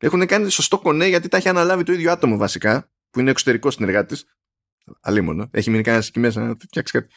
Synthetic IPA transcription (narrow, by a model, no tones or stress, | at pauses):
e̞xunekɐnitso̞st̪o̞ko̞ne̞ʝɐt̪̬it̪ɐçiɐnɐlɐvit̪o̞iðʝoɐt̪o̞movɐsikɐ | puinekso̞t̪e̞ɾiko̞st̪ine̞ɾɣɐt̪it̪is | ɐ̰limo̞̰noe̞çiminikɐnɐsi̥cimes̬ɐnɐt̪ift̪çɐksi̥kɐt̪i̥